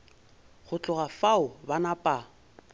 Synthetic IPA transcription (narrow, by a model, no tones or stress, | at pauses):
χʊt͡ɬʼʊɣafaʊbanapʼa